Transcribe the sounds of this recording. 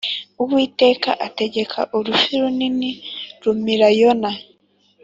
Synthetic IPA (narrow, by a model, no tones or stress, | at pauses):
uβwiːte̞ːkaʔate̞ɟe̞kʰa̰ʔuɾufiɾuniniɾumiɾajona